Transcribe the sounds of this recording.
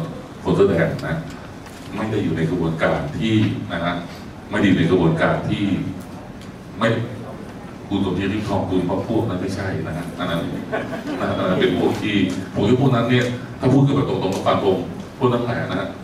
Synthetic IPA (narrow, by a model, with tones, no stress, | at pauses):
kʰo˧˦nsɯː˧˥˩dɛː˨˩nna˦˥ʔ | ma˥˩jda˥˩jːuː˨˩na˧jka˧bu˧ənkaː˧nt̪ʰiː˥˩na˦˥kʰa˦˥ʔ | ma˥˩jdiː˧˨˩na˧jkɾa˧buː˧˩ənkaː˧nt̪ʰiː˥˩ | ma˥˩j | kʰu˧nt̪o˧˩nt̪ʰiː˧˥˩ɾiː˥˩kʰɔː˧˩kʰu˧nwʰaː˧˥˩pʰu˥˩ək̚na˦˥nma˥˩jt͡ɕʰa˥˩jna˦˥kʰa˦˥ʔ̪ʰaː˧˩na˦˥n | na˧˥a˦˥˩aː˧˩na˦˧˥pe˧npʰu˥˩əŋt̪ʰiː˥˩pʰu˨˩˦ŋjuː˧˥˩pʰu˥˩˨na˦˥nːi˥˩ɐ | t̪ʰaː˥˩pʰuː˥˩t̚kɔ˥˩bɛː˨˩t̪o˧˩ŋt̪o˧˩ŋma˧fa˧˩ŋpʰo˧ŋ | pʰu˥˩nʰa˦˥ŋla˨˩a˨˩na˦˥ha˦˥ʔ